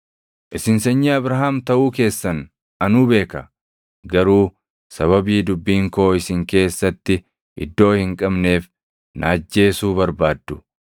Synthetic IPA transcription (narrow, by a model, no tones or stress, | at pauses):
ʔɪsɪnsɐɲːiɐbɾɐɦaːmt̪ɐʔuːke̞ːsːɐn | ɐnuːbe̞ːkɐ | ɡɐɾuː | sɐβɐbiːd̪ʊbːiːŋko̞ːɪsɪŋke̞ːsːɐt̪ːɪ | ʔɪ̰d̪ːo̞ːhɪŋkʼɐbne̞ːf | nʔaːd͡ʒːe̞ːsuːbɐɾbaːd̪ːʊ